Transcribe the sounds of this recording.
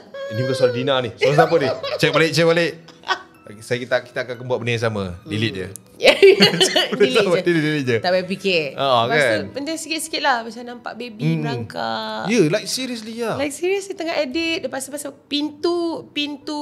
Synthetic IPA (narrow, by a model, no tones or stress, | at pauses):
dipət̪asaladinanisalasapənit͡ʃɛk̚balɪʔ̚t͡ʃɛʔ̚balɪʔ | sajakit̪aki̥t̪akankəmbuaʔ̚bənis̬amə̰dilit̪̚d͡ʒə̰ | ja | dilamdilit̚dilit̪̚d͡ʒət̪abap̬ikɪroʔakaasnpənt̪ɪsikɪt̪̚si̥kɪt̪̚lahmat͡ʃamnampa̰ʔbebimaŋka̰jəlajk̚siɾiəs̬lijalajk̚siɾiəslit̪əŋaʔadit̪̚dəpaspasəpint̪upint̪u